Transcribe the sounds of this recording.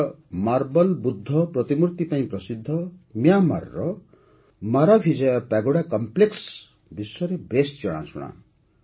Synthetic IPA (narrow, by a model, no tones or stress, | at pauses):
marbʌlbud̪ʱːʌprʌt̪imuɾt̪ipaĩpɾʌsid̪ʱːʌmjama̰rːʌ | maɾabʰʱid͡zeɔpaɡoɽakɔmpleks | bisʌɾebesd͡ʒɔɽ̃a̰t͡sʰuɽ̃a̰